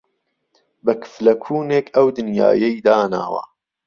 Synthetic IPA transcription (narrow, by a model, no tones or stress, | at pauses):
bɐkʰɨ̥flɐkʰuːneːkʰɐwd̪ɨnja̰ːjɐjd̪aːna̰ːwɐ̰